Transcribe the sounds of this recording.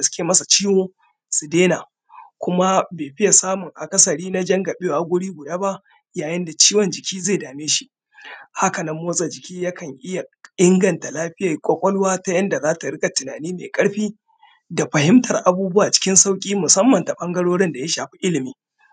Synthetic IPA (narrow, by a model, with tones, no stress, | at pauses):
a˨sʊ̥˦kʲeː˨mɐ˦sa˨t͡ʃiː˦woː˦ | su˨deː˦na˨ | kʷʊ˦ma˦beː˨ɸɪ˦ja˨saː˦mʊ˨ŋʔa˨kʼɐ˦sɐ˨ɽiː˦na˦d͡ʒɐ˦ŋɡa˨be˦˨ʔa˦ɡʷʊ˦ɽiː˦ɡʷʊ˨daː˦ba˦ | jaː˨jɪ˦nda˨t͡ʃiː˦wɔ˨nd͡ʒɪ˨kʲʰiː˦zeː˦˨daː˨meː˦ʃi˦ | ha˦kɐ˨nɐ˦mːoː˦sʼɐ˨d͡ʒɪ˨kʲiː˦ja˦kʰɐ˨ŋʔɪ˦ja˨ɪ˦ŋɡɐ˨nta˨laː˦ɸɪ˦ja˨kʷʼɔ˦kʷʼɔ˦lwaː˦ta˦jɐ˦nda˨zaː˦ta˨ɽɪ˦kʼa˨tɪ˨naː˨niː˦mḛ˨kʼɐ˦ɽɸiː˦ | da˨ɸɐ˨hɪ˦mtɐ˨rʔa˨buː˦bʊ˦wa˨t͡ʃɪ̥˦kʲɪ˦nsa˦wkʲʼiː˦mʊ˨sɐ˦mːɐ˨nta˨ɓɐ˦ŋɡɐ˦ɽoː˦ɽɪ˦nda˨ja˦ʃaː˨ɸi̥˦ʔɪ˦lɪ˨miː˦